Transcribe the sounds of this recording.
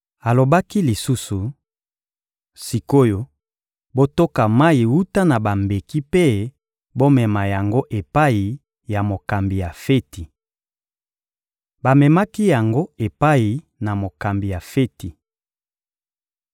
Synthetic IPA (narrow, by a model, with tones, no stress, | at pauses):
a˨lo˨ba˦ki˦li˨su˦su˨ | si˨ko˦jo˨ | bo˦to˦ka˨ma˦i˨wu˦ta˦na˨ba˨mbe˨ki˦pe˦ | bo˦mɛ˨ma˨ja˨ŋɡo˦ʔe˨pa˦i˨ | ja˨mo˨ka˨mbi˨ja˨fe˦ti˨ | ba˨mɛ˨ma˦ki˦ja˨ŋɡo˦e˨pa˦i˨ | na˨mo˨ka˨mbi˨ja˨fe˦ti˨